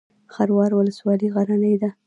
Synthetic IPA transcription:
xaɾwɑɾwʊləswɑliɣaɾanəjd̪a

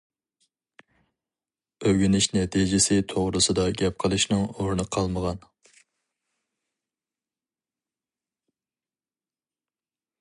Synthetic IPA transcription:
øɡʲinɪʃnɛt̪ʰid͡ʒɪsɪt̪ʰoʁɾɨsɨd̪ɑɡʲɛp̚qʰəlˠɨʃnɨŋoɾnɨqʰɑlˠməʁɑn

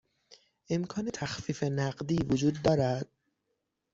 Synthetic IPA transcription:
ʔe̞mkʰɒːnet̪ʰæxfiːfe̞næɢd̪iːvod͡ʒuːd̪ːɒːɾæd̪̥̚

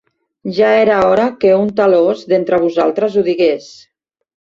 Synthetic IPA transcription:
ʒaeɾaɔɾakeunt̪alozðent̪ɾəβ̞uzalˠt̪ɾəzuðiɣes

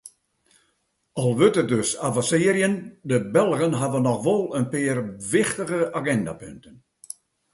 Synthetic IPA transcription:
ɔlˠʋøtət̚døsavãsɪəɾjəndəbɛlˠɣənɦaʋənːɔxʋɔlˠənpɪːərʋɪxtəɣəʔaɡɛnda̰pʏ̰ntən

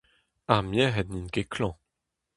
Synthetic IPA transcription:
amjɛɦɛd̪ninɡekʰlɑ̃

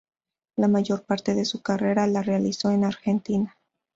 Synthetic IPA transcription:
lamaʝo̞ɾpaɾt̪e̞ðe̞sukare̞ɾalarealiso̞enaɾxe̞nt̪ina

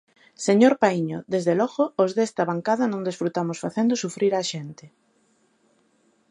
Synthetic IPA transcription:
seɲoɾpaiɲoðezðelɔɣoːzðɛst̪aβaŋkaðanõŋd̪esfɾut̪amosfaθend̪osufɾiɾaʃent̪e

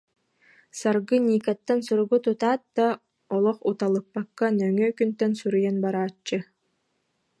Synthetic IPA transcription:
saɾɡɯnʲiːkat̪ːansuɾuɡut̪ut̪aːt̪̚d̪̥a | ɔlˠɔχut̪alˠɯpːakːanœŋœːkynt̪ɛnsuɾujanbaɾaːt͡ʃːɯ

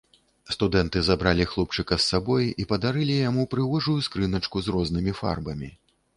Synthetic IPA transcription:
st̪ud̪ɛnt̪ɨzabɾalʲixlˠɔp̚t͡ʂɨkɐsːabɔjipɐd̪aɾɨlʲijamupɾɨvɔʐujuskɾɨnɐt͡ʂkuzrɔznɨmʲifa̰rbɐmʲi

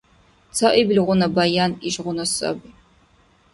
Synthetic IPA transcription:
t͡sʰɐʔiblʁʷʊnɐbajaːniʃʁʷʊnɐsɐ̰b

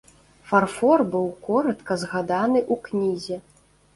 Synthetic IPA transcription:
farfɔrbɨwkɔɾɐt̪kɐzɣad̪anɨʔuknʲizʲɛ

